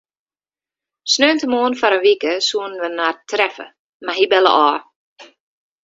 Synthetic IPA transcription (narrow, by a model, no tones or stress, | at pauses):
snøːntəmoːənfaɾənʋikəsuənʋənartrɛfə̰ | maɦibɛlə̰ʔɔː